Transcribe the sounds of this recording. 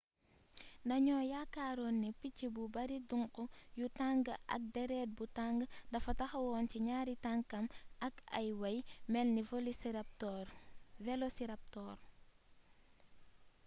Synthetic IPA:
ndɐɲɔjakaɾonːipicːibubɐɾiduŋkɔjutaŋɡʔɐ̰k̚dɛɾɛt̚butaŋɡndɐfɐtaxawɔːnciɲaːɾitaŋkɐmɐkɐ̰jwɐjmɛlnivolisp̚tːɾvelosiɾap̚tɔɾ

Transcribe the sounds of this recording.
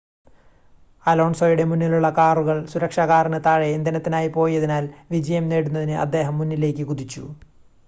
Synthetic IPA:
ɐlo̞ːɳsoːjuɽe̞munːiluɭːɐkaːruɣɐɭsuɾɐkʂɐɣaːrɐnɨt̪aːɻeind̪ɐnɐt̪ːinaːjipo̞ːjiɐðinaːlʋid͡ʑɐjɐmne̞ːɽunːɐðinɨʔɐ̰d̪ːe̞ːɦɐmːunːile̞ːkʲːɨkud̪it͡ɕːṵ

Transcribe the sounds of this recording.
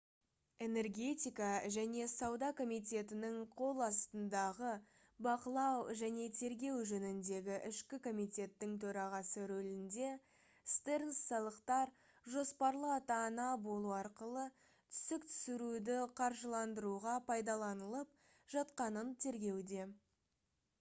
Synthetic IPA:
e̞ne̞rɡʲe̞t̪ʲijkɑʒæne̞sɑwd̪ɑkʰo̞mijt̪e̞t̪ɪnɪɴqʰo̞lˠɑst̪ənd̪ɑʁə | bɑqəlˠɑwʒæne̞t̪ʰe̞ɾɡʲe̞wʒɵnɪnd̪e̞ɡʲɪʔɪʃkʲɪkʰo̞mijt̪ʲe̞t̪ːɪŋt̪ʰɵɾɑʁɑsəɾɵlɪnd̪e̞ | st̪eɾnsːɑlˠəqt̪ɑɾ | ʒo̞spɑɾlˠəɑt̪ɑnɑbo̞lˠuɑɾqəlˠə | t̪ʰʏ̥sɪkt̪ʰʏ̥sɪɾud̪ɪqʰɑɾʒəlˠɑnd̪əɾuʁɑpʰɑjd̪ɑlˠɑnəlˠəp̚ | ʒ̥ɑt̪qɑnənt̪ʰe̞ɾɡʲe̞wd̪e̞

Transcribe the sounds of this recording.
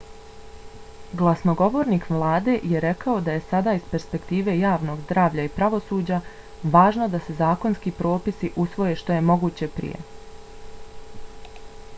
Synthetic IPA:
ɡlˠasno̞ɡo̞ʋo̞ːɾniːkʋlˠaːd̪e̞jeɾe̞kao̞d̪aje̞sad̪aispe̞ɾspe̞kt̪iːʋe̞jaːʋno̞ɡzd̪ɾaːʋʎaipɾaʋo̞suːd͡ʑa | ʋaːʒno̞d̪ase̞zaːko̞nskipɾo̞ːpisiʔusʋo̞je̞ʃt̪o̞je̞mo̞ɡuːt͡ɕe̞pɾḭjḛ

